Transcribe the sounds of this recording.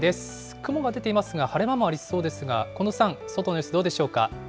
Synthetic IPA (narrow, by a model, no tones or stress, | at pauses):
d̪es | kɯ̟mo̞ɡad̪e̞t̪e̞imasɨɡahaɾe̞mamo̞aɾʲiso̞ːd̪e̞sɨɡa̰ko̞no̞sãŋ̃so̞t̪onosɨd̪o̞ːd̪e̞ɕo̞ːka̰